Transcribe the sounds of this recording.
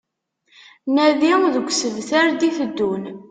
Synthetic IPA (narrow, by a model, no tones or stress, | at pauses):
næðiðəɡʷsəðθaɾd̪iθəd̪ːun